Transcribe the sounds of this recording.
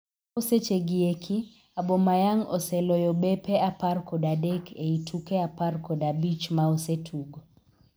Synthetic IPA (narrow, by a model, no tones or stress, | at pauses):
oset͡ʃeɡiekʰi | abɔmajaŋɔ̰sɛlɔjɔbepeaparkɔdadekʰeitʰukeaparkɔdabit͡ʃmaosetʰuɡo